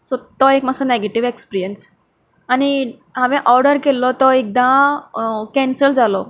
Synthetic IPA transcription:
sot̪ːɔekmasɔneɡeʈiʋekspiɾijəns | ani | ɦaʋẽʔɔɾɖəɾkelːɔt̪ɔek̚d̪ã | kɛ̃nsəld͡zalɔ

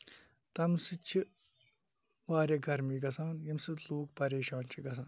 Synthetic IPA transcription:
t̪ɐmsɨt͡ʃʰi | ʋaːɾɐɡʱɐɾmiːɡɐsaːnjɐmsɨt̪loːk̚pɐɾeːʃaːnt͡ʃʰiɡɐs̬ãːn

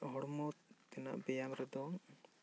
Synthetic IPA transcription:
ɦɔɽmɔt̪ɛna̰ʔbɛjamɾɛd̪ɔŋ

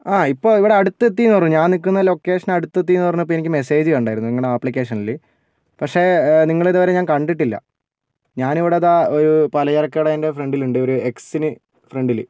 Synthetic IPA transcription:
aːipːo̞ːiʋiɽe̞ɐɽut̪ːɨet̪ːinuʋɐrːuɲaːnnik̬ːunːɐlo̞ːkːe̞ːʂɐnɐɽut̪ːɨet̪ːinʋɐrnːuipːoenikʲːɨme̞se̞ːd͡ʑɨɣɐɳɖaːjiɾunːuniŋːɐɭɽeɐpːɭik̬ʲːe̞ːʂɐnɐlːi | pɐkʂe̞niŋːɐɭiðɨʋɐɾeɲaːnkɐɳɖiʈːilːɐ̰ | ɲaːniʋiɽe̞ɐðaoɾupɐlɐjɐrɐkːɐjɽeɐnde̞freɳɖiluɳɖɨo̞ɾueksinɨ | freɳɖil

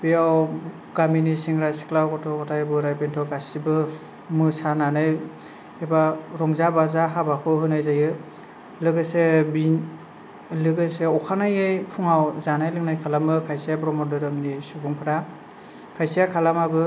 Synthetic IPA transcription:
b̥iaw | ɡ̥aminisiŋɾajsi̥klawkɔtʰɔkɔtʰajbɯɾajbentʰɔɡasibɯ | mɯsananɯj | ebaɾɔŋzabazaɦabakʰɯɦɯnajzajɯ | lɯɡɯsebin | lɯɡɯseɔkʰanajɯjpʰuŋawzanajlɯŋnajkʰalamɯkʰajsijapɾɔmɔdɯɾɯmnisubɔŋpʰɯɾa | kʰajsijakʰalamabɯ

